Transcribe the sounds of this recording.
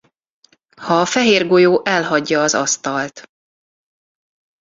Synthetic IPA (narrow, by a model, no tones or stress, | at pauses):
hɒːfɛɦeːrɡo̞joːʔɛlɦɒɟːɒːzɒ̰st̪ɒlt̪